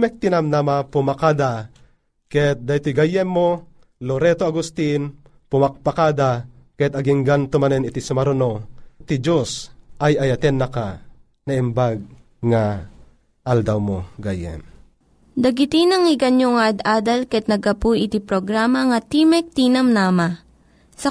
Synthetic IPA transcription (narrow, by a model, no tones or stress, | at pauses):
mɛk̚t̪inamnamapumakad̪a | kɛɛt̪̚d̪ajt̪oɡajɛmːo | loɾɛt̪oaɡust̪in | pʊmak̚pakad̪akɐɛt̪ɐɡiŋɡant̪ʊmanɛnɪt̪isʊmaɾonot̪id͡ʒosʔajɐjɐt̪ɛnːɐka | nɐʔimbaɡ̚ | ŋa | ʔald̪awmoɡajɛ̰m | d̪ɐɡit̪inɐŋɪɡɐnjoŋad̪aːd̪ɐlkɐɛt̪̚nɐɡɐpuʔɪt̪ipɾoɡɾaːmɐŋɐt̪imɛk̚t̪iːnɐmnaːma | sɐ